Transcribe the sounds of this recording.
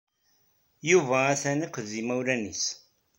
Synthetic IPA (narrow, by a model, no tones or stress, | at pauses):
juvæːθæniqððimæwlænḭs